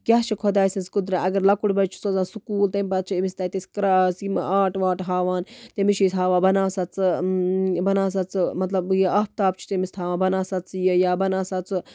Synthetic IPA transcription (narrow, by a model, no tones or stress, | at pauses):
kʲaːt͡ʃʰikʰod̪aːsʲɐnskud̪ɾaʔɐɡɐɾlɐkuɽbɐt͡ʃʰu̥sozãːsukuːlt̪ɐmʲpɐt͡ʃʰimisʲt̪aːt̪eskɾasimaːʈʋaːʈɦaːʋaːnt̪emiʃisɦaːʋãːbɐnaːsɐt͡sɨ | bɐnaːs̬ɐt͡sɨmɐt̪lɐbjeapt̪aːp̚t͡ʃʰu̥t̪emisʲt̪ʰaːʋãːbɐnaːsɐt͡sjɐjaːbɐnaːsɐt͡sɨ